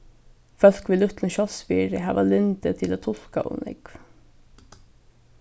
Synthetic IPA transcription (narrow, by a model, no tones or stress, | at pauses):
fœlkʋiːlʉt̪n̩ʃɔsfiːɾəhæːʋɑlʏnd̪ət̪ʰɪloːt̪ʰʊlkɑ̰ʔʊ̰ːnʔɪ̰ɡ̥